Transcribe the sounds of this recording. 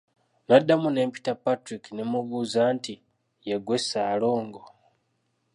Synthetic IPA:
nadːamune̞ːmpi̥tapatɾikinemuβuːzaːnti | jeɡwe̞saːlo̞ːŋɡo

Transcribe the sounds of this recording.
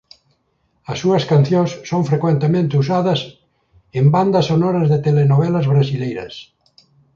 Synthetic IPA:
ɐsːuɐskanθjõŋsːoŋfɾekwẽnt̪emẽnt̪ɪus̬aðɐs | emband̪ɐsonɔɾɐzðet̪elenoβɛlɐzβɾasilejɾɐ̰s

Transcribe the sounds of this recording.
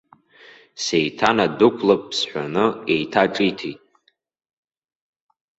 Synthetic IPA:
sejtʰanadukʷʰlapʼːsħʷᶣanɨe̞jtʰaʈ͡ʂʼitʰejtʼ

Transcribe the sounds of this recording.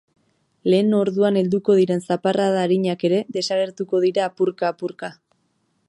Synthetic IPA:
le̞ːno̞ɾðuane̞ld̪uko̞ð̞iɾe̞nsaparaðaːɾiɲake̞ɾe̞ðe̞saɣ̞e̞ɾt̪uko̞ð̞iɾaːpuɾkaːpuɾka

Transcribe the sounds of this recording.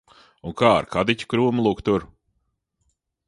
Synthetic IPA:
unkaːa̰ɾkad̪ic̪ʲu̥kɾuːmlˠukt̪uɾ

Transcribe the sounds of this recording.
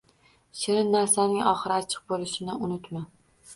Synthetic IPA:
ʃɪɾɪnːaɾsanɪŋɒχɨɾɪat͡ʃʰɨ̥q̚bolɪʃɪnɪʊnɪt̪ma

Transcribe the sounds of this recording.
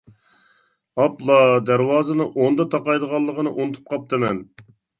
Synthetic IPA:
ɑplˠɑd̪æɾwɑːzɨnɨʔond̪ɑt̪ʰɑqɑjd̪əʁɑlˠːəʁənɨʔunt̪ʰu̥p̚qʰɑp̚t̪ʰɨnɛn

